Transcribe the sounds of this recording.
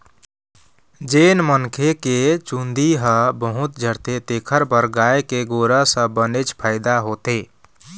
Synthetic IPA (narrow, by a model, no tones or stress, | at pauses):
d͡ʒeːnmənkʰeket͡ʃũnd̪ʱiɦə̃bəɦut̪̚d͡ʒʱəɽt̪et̪ekʰəɾpəɾɡaekeɡoɾəsə̃bənet͡ʃpʰaɪd̪aɦot̪e